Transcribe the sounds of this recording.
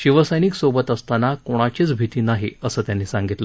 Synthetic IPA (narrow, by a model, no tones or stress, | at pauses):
ɕiʋəsəjniːksobət̪əst̪anakoɽ̃at͡ɕiːt͡sbʱit̪iːnaɦḭəsəːt̪janːiːsaŋɡit̪lə